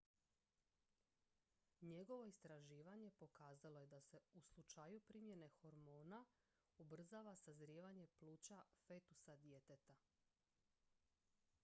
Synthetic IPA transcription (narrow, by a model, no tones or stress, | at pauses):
ɲe̞ɡo̞ʋo̞ist̪ɾaʒiːʋaɲe̞po̞kaːzalo̞je̞d̪ase̞uslˠut͡ʃajupɾimjene̞xo̞ɾmo̞ːna | ubr̩zaʋasazɾjiːʋaɲe̞plˠuːt͡ɕafet̪usad̪je̞t̪et̪a